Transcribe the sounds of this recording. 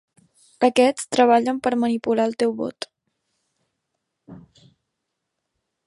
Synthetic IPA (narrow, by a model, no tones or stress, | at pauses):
əkɛt͡st̪ɾəβ̞aʎəmpəɾmənipulaəlˠt̪ɛwβo̰t̪